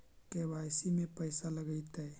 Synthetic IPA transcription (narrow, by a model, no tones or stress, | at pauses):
kebajsimepəjsaləɡəɪt̪ə